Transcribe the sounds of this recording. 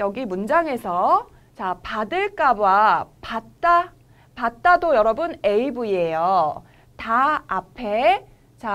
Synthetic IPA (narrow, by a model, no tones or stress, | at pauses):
jʌɡimund͡ʑaŋe̞sʰʌ | t͡ɕapadɯɭk͈abapat̚t͈a | pat̚t͈adojʌɾʌbɯne̞ibuiejo | taːpʰe̞ | t͡ɕa